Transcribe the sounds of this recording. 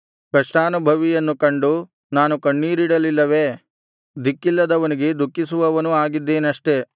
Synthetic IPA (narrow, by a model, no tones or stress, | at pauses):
kɐʂʈaːnubʱɐʋijɐnːukɐɳɖu | naːnukɐɳːiːɾiɽɐlilːɐʋe̞ | d̪ikːilːɐd̪ɐʋɐniɡe̞d̪ʱukːisuʋɐʋɐnuaːɡid̪ːe̞ːnɐʂʈe̞